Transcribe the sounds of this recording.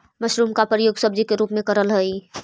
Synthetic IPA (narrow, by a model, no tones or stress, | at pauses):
mɐʃɾuːmkapɾəjoːɡsəb̚d͡ʒikeɾuːpmẽkəɾəlɦəi